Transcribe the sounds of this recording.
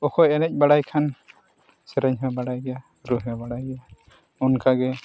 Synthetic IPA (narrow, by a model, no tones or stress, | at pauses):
ɔkʰɔjɛnɛc̚ˀbaɽajkʰan | sɛɾɛɲɦɛbaɽajɡɛja | ɾuɦɛbaɽajɡɛja | unkʰaɡɛ